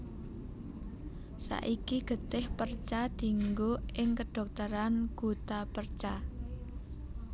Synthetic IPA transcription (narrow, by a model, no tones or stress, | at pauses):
sa̰ʔikiɡ̥ə̤t̪ɪhpərt͡ʃad̪̥i̤ŋɡoɪŋkəɖ̥ɔ̤k̚t̪əɾanɡ̥ṳt̪apərt͡ʃa